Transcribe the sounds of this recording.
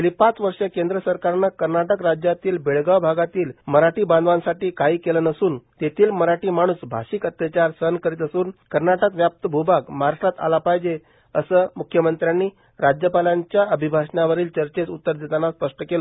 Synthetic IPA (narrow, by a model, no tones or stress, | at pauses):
əlipat͡sʋəɾʂekend̪ɾəsəɾkaɾnakəɾnaʈəkɾad͡ʑjat̪iːlbeɭɡawbʱaɡat̪iːlməɾaʈiːband̪ʱʋansaʈiːkaɦiːkelənəsuːnt̪et̪ʰiːlməɾaʈiːmaɽ̃uːsbʱa̰ɕikət̪jət͡ɕaɾsəɦənkəɾit̪əsuːnkəɾnaʈəkʋjap̚t̪əbʱubakmaɾaʂat̪a̰lapajd͡ʑe | əsəːmukʰːjəmənt̪ɾjanːiː | ɾad͡ʑjəpalaɲt͡ɕjaəbʱibʱaʂnaʋəɾiːlt͡ɕəɾt͡ɕet͡sut̪ːəɾd̪ʱit̪anaspəʂʈəkelə